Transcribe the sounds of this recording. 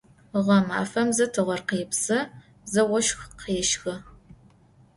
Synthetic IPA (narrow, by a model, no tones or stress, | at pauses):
ʁɐma̰ːfɐmzɐtʰɨʁɐrqiːpsɐ | zɐwɔʃxqʰeːʃxɐ